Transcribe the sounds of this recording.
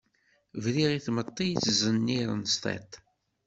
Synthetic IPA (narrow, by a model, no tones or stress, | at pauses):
vliʁiθmət̪ˤːijt͡sːzənːiɾə̰nst̪ˤɛ̰t̪